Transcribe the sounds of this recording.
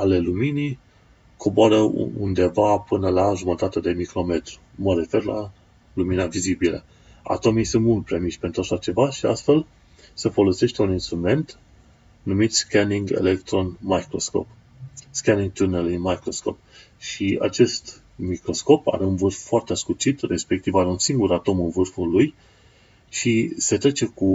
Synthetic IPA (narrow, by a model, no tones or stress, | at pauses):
ale̞luminij | kʰo̞boaɾəṵṵnd̪e̞vapɨnəlaʒumət̪at̪əd̪e̞mikɾo̞me̞t̪ɾu | məɾe̞fe̞rla̰ | luminavizibilə̰ | a̰t̪o̞misɨnt̪mult̪̚pɾemiʃpent̪ɾuaʃat͡ʃe̞vaʃia̰st̪fe̞l | se̞fo̞lo̞se̞ʃt̪e̞uninst̪ɾume̞nt̪ | numit̪skʲaniŋɡe̞̰lekt̪ɾo̞nmajkɾo̞sko̞̰p | skaniŋɡt̪urnalimajkɾo̞sko̞̰p̚ | ʃia̰t͡ʃe̞st̪ | mikɾo̞sko̞pa̰ɾe̞unvɨrfːoart̪easkut͡ʃit̪re̞spe̞k̚t̪ivaɾe̞unsiŋɡuɾat̪o̞mɨnvɨrfuluj | ʃise̞t̪ɾe̞t͡ʃe̞ku